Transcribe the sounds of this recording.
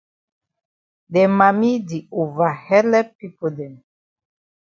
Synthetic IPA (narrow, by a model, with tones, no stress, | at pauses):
dɛ˨ma˨mi˦di˨u˨va˨hɛ˦lɛ˦pi˦pu˨dɛ˨m